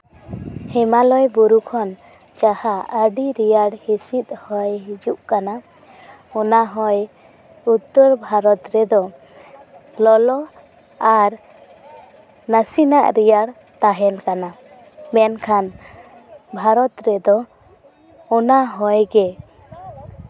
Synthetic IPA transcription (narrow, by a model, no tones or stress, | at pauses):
hɛmalɔjbuɾukʰɔn | t͡ʃahaʔəɖiɾijaɽhisit̪̚hɔjɦid͡ʒuʔkana | ɔnaɦɔj | ut̪ːɔɾbʱaɾɔt̪ɾɛd̪ɔ | lɔlɔ | aɾ | nəsina̰ʔɾijaɽ | t̪aɦɛnkana | mɛnkʰan | bʱaɾɔt̪ɾɛd̪ɔ | ɔnaɦɔjɡɛ